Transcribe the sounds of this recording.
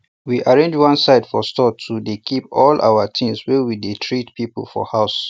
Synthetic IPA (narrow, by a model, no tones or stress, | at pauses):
wiʔaɹẽnd͡ʒwãnsaɪdfɔstɔtʰudekʰipɔlʔa̰wətʰĩmswɛwidetʰɹitpʰipə̰l̩fɔ̰haʊs